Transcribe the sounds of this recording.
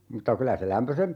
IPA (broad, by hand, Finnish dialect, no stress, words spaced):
mutːɑ kylæ se læmpøsem